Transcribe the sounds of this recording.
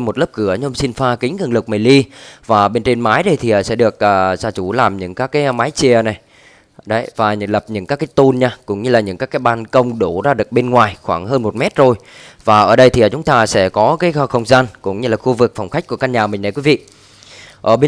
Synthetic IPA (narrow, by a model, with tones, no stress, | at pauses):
m˨˩t̚lə˦˥p̚kɨ˧˩əɲ˧ŋ͡msi˧nfaː˧kï˨˦ŋ̟kːŋlɨ˨˩k̚mə˨˩jli˧vaː˨˩ɓe˧nt͡ɕe˧nmaː˨˦jɗə˧jt̪ʰi˨˩ʔəː˨˩sɛ̰˧˥ɗɨ˨˩ək̚ʔəː˨˩zaː˧t͡ɕu˧˩laː˨˩mɲɨ̰˧˥ŋkaː˦˥kːaː˨˦jmaː˨˦jt͡ɕi˧˩əna˨˩j | ɗə˨˦jvaː˨˩ɲɨ̰˧˩lə˨˩p̚ɲɨ̰˧˥ŋkaː˦˥kːaː˨˦jt̪o˧nɲaː˧kʊ̰˧˥ŋ͡mɲɨ˧laː˨˩ɲɨ̰˧˥ŋkaː˦˥kaː˨˦jɓaː˧nkə˧wŋ͡mɗu˧˩zaː˧ɗɨ˨˩ək̚ɓe˧nŋwaː˨˩jxwaː˧˩ŋɦəː˧nmo˨˩t̚mɛ˦˥t̚zo˨˩jvaː˨˩ʔəː˧˩ɗə˧jt̪ʰi˨˩˨əː˨˩t͡ɕʊ˨˦ŋ͡mt̪aː˧sɛ̰˧˥kɔ˨˦kaː˨˦jxə˧wŋ͡mzaː˧nkʊ̰˧˥ŋ͡mɲɨ˧laː˨˩xu˧vɨ˨˩k̚fwŋ͡mxa˦˥k̟̚ku˧˩kaː˧nɲaː˨˩mï˨˩ŋʔə̰˨˩kwi˨˦vḭ˧˨ʔ | ʔəː˧˩ɓe˧